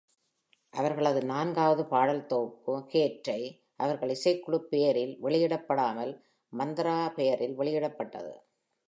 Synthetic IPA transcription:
ʔɐʋɐɾɣɐɭɐðɯnaːnɡaːʋɐðɯpaːɽɐlt̪oːpːɯkeːʈɾɐɪ | ʔɐʋɐɾɣɐɭɪsɐɪkːʊɽɯpːejɐɾɪlʋɛɭɪjɪɽɐpːɐɽaːmɐl | mɐnd̪ɪɾaːpɛjɐɾɪlʋɛɭɪjɪɽɐpːɐʈːɐ̰ðɯ̰

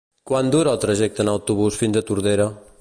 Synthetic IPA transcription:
kwand̪uɾəlˠt̪ɾəʒɛk̚t̪ənəwt̪uβ̞usfinzət̪uɾðeɾə

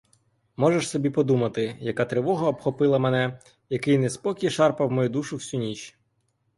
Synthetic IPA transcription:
mɔʒeʃsɔbʲipɔd̪umɐt̪ɪjɐkɑt̪ɾeʋɔɦɔːpxɔpɪlˠɐmenɛ | jɐkɪjnɛspɔkʲiʃɑrpɐwmɔjud̪uʃʊwsʲunʲit͡ʃ

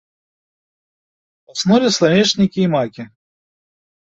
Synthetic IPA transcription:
asnɔvʲɛslˠanʲɛʂnʲikʲiːmakʲi

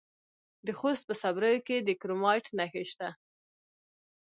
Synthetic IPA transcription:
d̪əxost̪̚pəsabɾəjoked̪əkɾomɑjʈnaxeʃt̪a

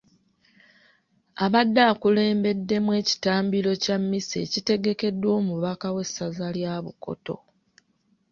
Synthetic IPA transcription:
aβadːaːkule̞ːmbe̞dːe̞mwe̞ːci̥taːmbilo̞camːise̞̰ːcite̞ɡe̞ke̞dːwo̞ːmuβakawe̞sːazaljaːβuko̞̰to̞̰

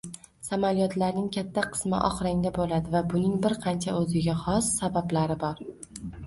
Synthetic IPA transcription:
samaljɒt̪ʰlaɾnɪŋkʲʰat̪ʰːaqʰɨ̥smɪ̰ʔɒ̰χɾaŋd̪abolad̪ɪvabʊnɪŋbɪɾqʰɑnt͡ʃʰaɵzɪɡʲaχɒsːabablaɾɪbɒɾ

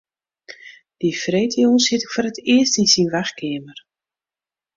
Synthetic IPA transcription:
d̥ifreːjtʰijonsɪtɪkfoːɾətɪəstinsinʋaxkɪəmər

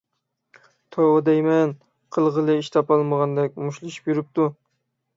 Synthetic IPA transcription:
t̪ʰoɑd̪ɛjmɛn | qʰəlˠʁəlˠɨiʃt̪ʰɑpɑlˠməʁɑnd̪ɛk̚ʲmuʃlˠɨʃi̥pjyɾɪp̚t̪u

